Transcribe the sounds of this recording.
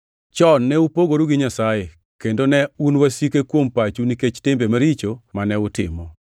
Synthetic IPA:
t͡ʃɔnːɛupoɡoɾuɡɪɲasaje | kendonɛunwasikekwompat͡ʃuniket͡ʃtɪmbemaɾit͡ʃomanɛʊtɪ̰mɔ

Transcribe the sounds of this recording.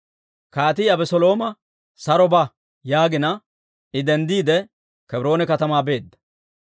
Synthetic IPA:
kaːt̪̬iɐbɛsɔlo̞ːmɐ | sɐɾɔbɐ | jaːɡɪnɐ | ɪd̪ɛnd̪iːd̪ɛ | kɛbɾo̞ːnɛkɐt̪ɐmaːbe̞ːd̪ːɐ̥

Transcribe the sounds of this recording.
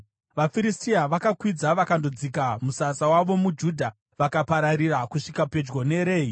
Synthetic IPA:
ʋafiɾistiaʋakakwid͡zaʋakando̞d͡zikamusasawaʋo̞mud͡ʒudʱa | ʋakapaɾaɾirakuʂikape̞d͡ʒɡone̞ɾe̞ːi

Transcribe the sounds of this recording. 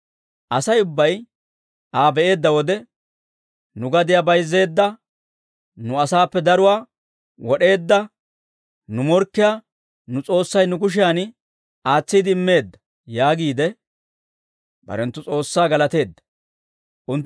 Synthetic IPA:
ʔɐsɐjʊbːɐj | ʔaːbɛʔe̞ːd̪ːɐwɔd̪ɛ | nʊɡɐd̪ɪjaːbɐjzːe̞ːd̪ːɐ | nʊɐsaːpːɛd̪ɐɾʊwaː | wɔɗe̞ːd̪ːɐ | nʊmɔɾkːɪjaː | nʊt͡sʼo̞ːsːɐjnʊkʊʃ̬ɪjan | aːt͡sːiːd̪ɪɪmːe̞ːd̪ːɐ̥ | jaːɡiːd̪ɛ | bɐ̰ɾɛnt̪ːʊt͡sʼo̞ːsːaːɡɐlɐt̪e̞ːd̪ːɐ̥ | ʔʊnt̪

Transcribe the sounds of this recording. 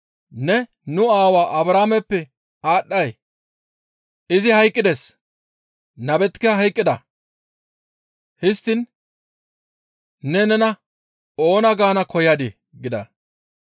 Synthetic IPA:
nɛ | nʊaːwaːʔɐbɾaːmɛpːɛ | aːɗːɐj | ɪzɪhɐjkʼːɪd̪ɛs | nɐbɛt̪ːɪ̥kːɐɦɐjkʼːɪd̪ɐ | hɪst̪ːɪn | nɛnɛnɐ | o̞ːnɐɡaːnɐkʰɔjɐd̪e | ɡɪd̪ɐ̰

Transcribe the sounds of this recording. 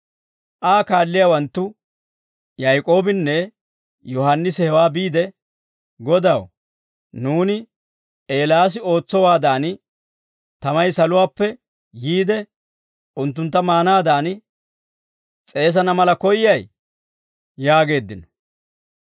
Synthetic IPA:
ʔaːkaːlːɪjawɐnt̪ːʊ | jɐjkʼo̞ːbɪnːɛ | jɔhɐnːɪshɛwaːbiːd̪ɛ | ɡɔd̪ɐw | nuːnɪ | ʔe̞ːlaːs̬ɪo̞ːt͡sːɔwaːd̪aːn | t̪ɐmɐjsɐlʊwaːpːɛ | jiːd̪ɛ | ʊnt̪ːʊnt̪ːɐmaːnaːd̪aːn | t͡sʼe̞ːs̬ɐnɐmɐlɐkɔjɪjɐj | jaːɡe̞ːd̪ːɪnɔ̥

